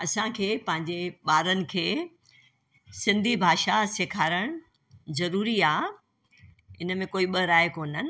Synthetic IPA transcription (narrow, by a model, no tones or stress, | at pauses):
ɐsãkʰeːpɐ̃ɦɪ̃ɲ̆d͡ʑeɓaːɾənɪ̆kʰeː | sɪ̃nd̪ʱibʱaːʃasekʰaːɾəɽ̃ | zɐɾuːɾiaː | ɪnmẽkoːiɓəɾaːjkoːnənɪ̆